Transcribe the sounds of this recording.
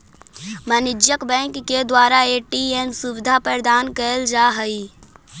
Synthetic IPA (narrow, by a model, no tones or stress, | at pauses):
mənɪd͡ʒjəkbɛ̃ːŋkːed̪waːɾaeːʈiemsubɪd̪ʱapɾəɾd̪aːnkəld͡ʒaːɦəi